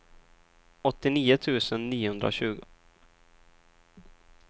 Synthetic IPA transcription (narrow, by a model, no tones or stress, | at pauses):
ɔt̪ːɪniːʊt̪ʰʉ̟ːsənːiːʊhɵnd̪ɾa̰ɕʉ̟ːɡʊ